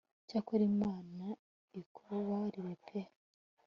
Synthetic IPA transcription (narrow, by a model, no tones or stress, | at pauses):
cakoɾimaːna | ikʰuβaɾiɾepʰeh